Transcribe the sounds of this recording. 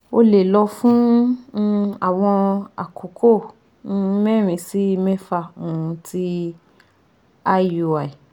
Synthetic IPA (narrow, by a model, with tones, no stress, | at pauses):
o˧le˨lɔ˧fũ˦ | a˨w̃ɔ̃˧a̰˨kʰo˨˦kʰo˦˨˦ | mɛ˦˨ɾ̃ĩ˨˧si˦˧mɛ̃˦fa˧˨o˨ũ˧tʰi˦ | a˦jo˧˨a˨i˨